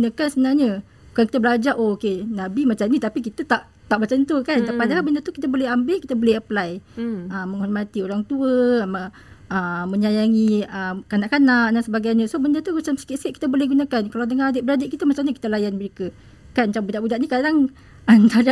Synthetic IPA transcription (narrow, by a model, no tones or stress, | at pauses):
ɡunakansəbənarɲə | bukanki̥t̪əbəlad͡ʒaʔookenabimat͡ʃamnit̪apik̬it̪ət̪aʔ | t̪aʔbət͡ʃant̪ukant̪apadaabəndət̪ukit̪əbolehambɪʔkit̪əboleɦəplajʔəmːəŋhɔrmat̪ioɾaŋt̪uəmə | ʔəmːə̃ɲajaŋiəkanaʔkanaʔdansəbaɡajɲə̃sobəndət̪umat͡ʃamsi̥kɪt̪seʔki̥t̪əbolehɡunakankalawdəŋaadəʔbəɾadeʔkit̪əmat͡ʃamɲəki̥t̪əlajanməɾikə | kanmat͡ʃambudaʔbudaʔnikadaŋ | ant̪aa